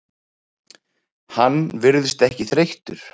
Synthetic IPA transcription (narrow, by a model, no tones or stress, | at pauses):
hanːvɪɾðʏst̪ɛhcɪθɾejht̪ʏɾ̥